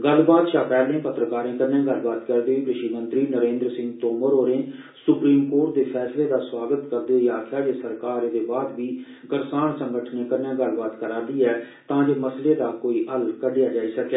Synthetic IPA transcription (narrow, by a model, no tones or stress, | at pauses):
ɡəlbaːt̪ʃaːpɛːlẽːpət̪ɾəkaːɾẽːkəɾnẽːɡəlbaːt̪kəɾd̪eĩːpɾɪʃimə̃nt̪ɾiːnəɾẽːnd̪ɾəsɪ̃ŋɡt̪oːməɾoːɾẽː | sʊpɾiːmkoːɾʈ̚d̪eːpʰɛːsleːd̪aːswaːɡət̪kəɾd̪eːɦiːaːk̪ʰjaːd͡ʒeːsəɾkaːɾd̪eːbaːd̪ʋiː | ɡəɾsaːɳsəŋɡəʈʰnẽːkəɾnẽːɡəlbaːt̪kəɾaːd̪iːɛː | t̪ãːd͡ʒeːməsleːd̪aːkoːiːʔəlkəɖejaːd͡ʒaːiːsəkɛː